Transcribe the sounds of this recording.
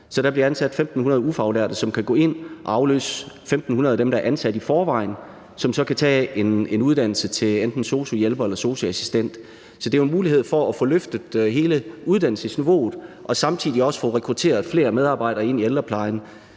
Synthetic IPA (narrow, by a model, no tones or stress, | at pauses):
sɒ̽ɾ̥æb̥liɐænsæd̥femd̥n̩hunɐðˠufɑ̈ʊlæɐ̰d̥əsɒ̽mkʰæɡ̥ɔ̰ːe̝n̰ʔɑ̈ʊlø̰ːsfemd̥n̩hunɐð̞ˠæd̥emd̥ɑ̈æɐʔænsæd̥ifɒːʋɑ̈ɪ̰n | sɒ̽msɒ̽kʰæt͡sʰɛ̰ːenenuð̞ˠd̥æn̰l̩sət͡sʰe̝lend̥n̩so̝ːsojelb̥ɐelɐso̝ːsoæsi̥sd̥en̰d̥ | sɒ̽d̥e̝ʊenmuːlihe̝ð̞̰ˠfɒ̽æfɔ̽ːløfd̥əð̩ˠɦe̝ːləuð̞ˠd̥æn̰l̩səsniʋo̝̰ːð̩ˠʔɒ̽sɑ̈mt͡sʰið̰ˠiɒ̽sə̥fɔ̽ːʁɛkʰʁut͡sʰe̝̰ːɐðˠfle̝̰ːɐmeð̞ˠɑ̈ːb̥ɑ̈ɪ̰ɾ̥ɐɐe̝n̰ield̥ɐpʰlɑ̈ɪn